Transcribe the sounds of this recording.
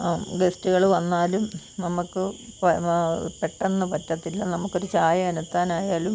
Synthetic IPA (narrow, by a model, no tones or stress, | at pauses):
ɡestuɣɐɭʋɐnːaːlum | nɐmukːɨp | pe̞ʈːenːɐpɐtːɐt̪ːilːɐnɐmukːo̞ɾut͡ɕaːjɐɐnɐt̪ːaːnaːjaːlum